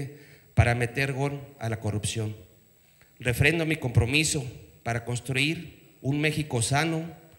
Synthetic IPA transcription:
paɾame̞t̪e̞ɾɣona̰lako̞rupsjo̞n | re̞fɾe̞nd̪omiko̞mpɾo̞miso̞paɾako̞nst̪ɾuiɾ | unme̞xiko̞sano̞

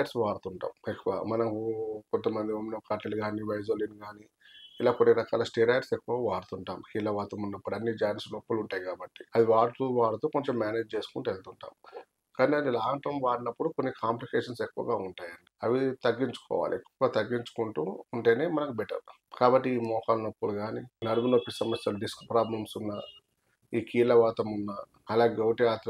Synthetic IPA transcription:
ɾsʋaːɾt̪uɳʈa̰ːmekːuʋa̰ːmɐnɐkukont̪ɐmɐnd̪iominokaɾʈɐlɡaːniʋɐjzoːlinɡaːni | ilaːkonːiɾɐka̰ːlɐsʈeːɾɐjɾsekːuʋaːʋaːɾt̪uɳʈaːmkiːlɐʋaːt̪umunːɐpːuɽɐnːid͡ʒaːjnslokːuluɳʈaːjikaːbɐʈːi̥ɐd̪iʋaːɾt̪uʋaːɽɐt̪oːkoɲt͡ʃemːjaːneːd͡ʒt͡ʃe̞ːsu̥kuɳʈuelt̪uɳʈa̰ːm | kaːniɐd̪ilaːʈɐmʋaːɾɐnɐpːuɽuko̞nːikʰaːmplikeːʂɐnsekːuʋɐ̰ɡaːuɳʈaːjɐɳɖiɐʋit̪ɐɡːiɲt͡ʃu̥kɔ̰ːʋa̰ːliekːuʋɐt̪ɐɡːiɲt͡ʃu̥kuɳʈṵuɳʈe̞ːne̞ːmɐnɐkubɛʈɐ̰ɾ | kaːbɐʈːiiːmɔːkɐlnɐpːuɽuɡaːninɐɾɐmunokːisɐmɐsjɐluɖiskpɾaːblɐmsunːɐː | iːkiːlɐʋaːt̪ɐmunːɐ | ɐlaːɡɐwʈɐjaːt̪ɾɐ

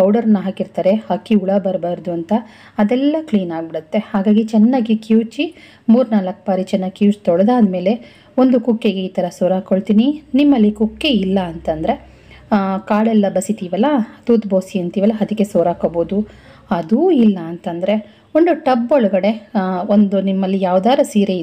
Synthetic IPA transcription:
ɐwɖɐɾɐnːɐɦɐkiɾt̪aːɾehɐkːiuɭɐbɐɾbaːɾd̪uɐnt̪ɐː | d̪ɛlːɐkliːnaːɡbiɽut̪ːe̞haːɡaːɡit͡ʃɛnːaːɡikjuːt͡ʃi | muːɾunaːlɐkːɐbaːɾit͡ʃɛnːaːɡikiuwt͡ʃt̪ɔɭɐd̪aːd̪ɐme̞ːle̞ | ond̪ukukːeɡe̞iːt̪ɐɾɐsoːɾaːkoɭt̪iːninimːɐlːikukːeilːɐːnt̪ɐnd̪ɐɾe̞ | kaːɭɛlːɐbɐsit̪iːʋɐlɐt̪uːt̪boːsiɐnt̪iːʋɐlːɐɐd̪ikːesoːɾaːkoboːd̪u | ɐd̪uilːɐːnt̪ɐnd̪ɐɾe̞ | ond̪uʈɐbːoɭɐɡɐɽe̞ond̪unimːɐlːijaːʋd̪aːɾɐsiːɾei

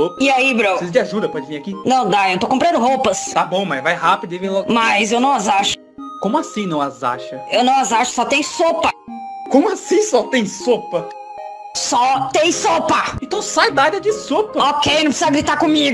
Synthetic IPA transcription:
oiaibɾosizɐd͡ʒɪaʒud̪ɐpɔd͡ʒɪvĩakinɐ̃w̃d̪aewt̪okõpɾɐ̃nd̪ʊɦowpɐst̪abõmazvajhapid̪ʊivẽj̃lɔmajzewnɐ̃w̃azaʃʊ̥ | kõmʊasĩnɐ̃w̃aza̰ʃɐewnɐ̃w̃azaʃʊ̥sɔt̪ẽj̃sopɐkõmʊasĩsɔt̪ẽj̃sopɐ | sɔt̪ẽj̃sopɐẽnt̪ɐ̃w̃sajd̪aaɾɐd͡ʒɪsopɐokejnɐ̃psizɐɡɾit̪akõmiɡʊ

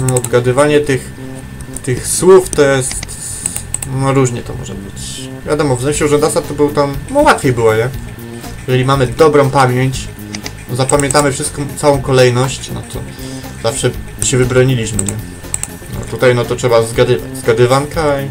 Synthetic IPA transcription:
nɔːd̪ɡad̪ɘvaɲɛt̪ɘx | t̪ɘxswuft̪ɔjɛst̪ | nɔɾuʐɲɛt̪ɔmɔ̰ʐɛ̰bɘt͡ɕ | vʲja̰d̪ɔmɔvzɛmɕɛuʐɛnd̪asat̪ːɔbɘwt̪amnɔwat̪fʲjejbɘwaɲɛ | jɛʐɛlʲimamɘd̪ɔbɾɔ̃w̃pamʲjeɲt͡ɕ̪ | zapamʲjɛnt̪amɘfʂɘst̪kɔ̃m̃t̪sawɔ̃w̃kɔlɛjnɔɕt͡ɕnɔ̰t̪ɔ | zafʂɛ | ɕɛvɘbɾɔɲilʲiɕmɘɲɛ | nɔ̰t̪ut̪ajnɔt̪ɔtʂɛbazɡad̪ɘva̰t͡ɕzɡad̪ɘvankai

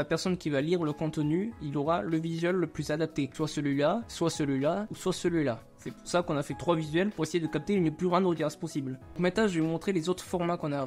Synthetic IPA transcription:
apɛʁsɔnkʲivaliʁləkɔ̃t̪ənyilɔʁaləvizɥɛlːəplyzad̪ap̚t̪eswasəlɥilaswasəlɥilauswasəlɥila | sɛpuʁsakɔ̃nafɛt̪χwavizɥɛlpuʁesejed̪əkap̚t̪eynplyʁɛ̃d̪ʁəɡ̪aspɔsiblɔ̃kmɛt̪ãʒvevumɔ̃t̪χelezot̪χəfɔʁmakɔ̃na

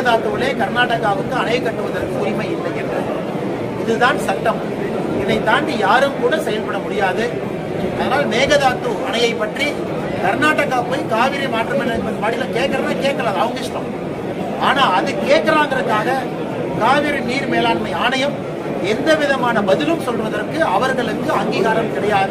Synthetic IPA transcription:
ɐðaːt̪ːɯʋɪleːkɐɾnaːʈɐɣaːɣɯnk̪ɯɐnɐjɐkːɐʈːɯʋɐðɐɾkːɯʊɾɪmɐɪɪlːɐɪndrɐ | ɪðɯt̪aːnsɐʈːɐm | ɛnːɐɪt̪aːndijaːɾɯmkuːɽɐsɛjɐlpɐɽɐmʊɽɪjaːðɯ | ɐðɐnaːlneːɣɐðaːt̪ːɯʔɐnɐjɐɪpːɐʈri | kɐɾnaːʈːɐɣaːpoːjkaːʋiːɾɐɪmaːʈrɯmɛnːɐnɐmaːɽɪlɐkeːʈkɐɾɐmɐkeːʈ̚kɐɾaːðɐʋɐŋɡɪʂʈɾɐm | ʔaːnaːɐðɯkeːʈ̚kɐɾaːnd̪ɾɐɯkːaːɣɐ | kaːʋiɾɐniːɾmeːlaːnmɐɪaːnɐjɐm | ɛnd̪ɐʋɪðɐmaːnɐbɐðɪlɯmsɔlʋɐðɐrkɯɐʋɐɾɣɐɭɯkːɯɐŋɡiːɣaːɾɐmkɪɽɐjaːðɯ

